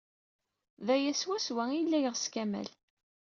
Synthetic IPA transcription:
ðæjæswæswæilːæjəʁskæmæ̰l

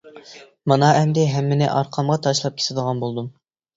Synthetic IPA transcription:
mɑnɑʔɛmd̪ɪɦɛmːɪnɪ̰ʔɑɾqʰɑmʁɑt̪ʰɑʃlˠɑp̚kʲʰe̥t̪ʰɪd̪əʁɑnbolˠd̪um

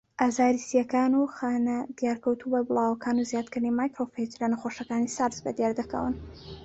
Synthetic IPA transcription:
ʔazaːɾisijɐkaːnuxaːnɐd̪jaɾkɐwt̪ʰuwajbɨlˠaːwɐkaːnuzjaːt̪̚kɨɾnimaːjkɾofejd͡ʒlanɐxoʃɐkaːnisaɾzbɐ̰d̪jaɾd̪ɐkə̰wɨ̰n

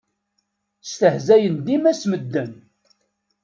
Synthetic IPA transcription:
st̪əhzæjənd̪imæsməd̪ːən

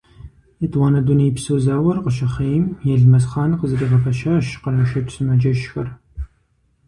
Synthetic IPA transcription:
itʼwaːnɐdunejpsɨwzaːwɐrqəʃɐχejmjɛɮmɐsχɑːnqəzɨriːʁɐfʰɐʃaːʃqənɐʃɐtʼsɨnɐd͡ʒɐʃxɐr

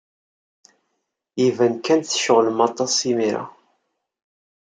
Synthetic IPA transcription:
ivænkænθʃəʁlmɑt̪ˤːɑsimiɾa̰

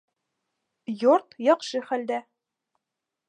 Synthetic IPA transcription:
joɾt̪jɒqʃɤχæld̪æ

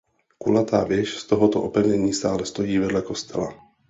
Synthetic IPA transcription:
kulat̪aːvjɛʃst̪ɔɦɔt̪ɔʔɔpɛvɲɛɲiːst̪aːlɛst̪ɔjiːvɛd̪lakɔst̪ʰɛ̰la̰

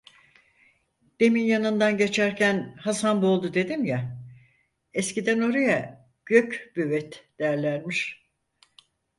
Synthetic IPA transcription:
d̪̥e̞minjanɯnd̪anɟe̞t͡ʃʰæɾcʰænhasanbo̞lˠd̪ud̪e̞d̪imja | ɛscid̪æno̞ɾaja | ɟ̥ø̞cbyvɛt̪d̪̥ejæɾlʲænmiʃ

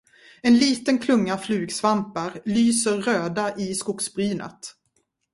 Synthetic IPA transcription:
ɛnliːt̪ənkʰlɵŋːaflʉ̟ːɡsvampaɾlyːsəɾːøːd̪aʔɪskʊksbɾyːnʔə̰t̪

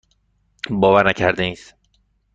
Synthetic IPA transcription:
bɒːvæɾnæcʰæɾd̪eniːs

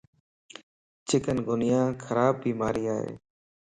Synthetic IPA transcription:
t͡ʃɪkənɡʱʊnɪjãːkʰəɾaːbːiːmaːɾiːaːɦḛː

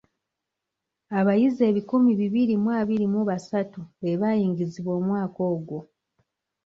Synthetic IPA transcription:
aβajize̞ːβikumiβiβiɾimwaːβiɾimuβasatuβe̞βajiːŋɡiziβwo̞ːmwaːko̞ːɡwo̞

